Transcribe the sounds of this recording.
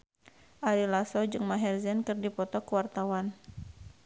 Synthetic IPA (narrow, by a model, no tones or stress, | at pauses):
ʔaɾilasɔd͡ʒɨŋmaɦɛrzɛnkɨrdipɔt̪ɔkuwart̪awan